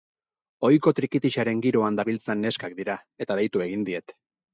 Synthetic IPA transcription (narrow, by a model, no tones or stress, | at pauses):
o̞jkot̪ɾikit̪iʃaɾe̞ŋɡiɾo̞and̪aβilt͡senːe̞skak̚d̪iɾa | e̞t̪aðejt̪ue̞ɣ̞ind̪ie̞t̪